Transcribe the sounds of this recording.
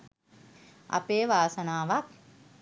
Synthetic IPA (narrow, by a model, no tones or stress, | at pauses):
a̰peːʋaːsɐnaːʋak̚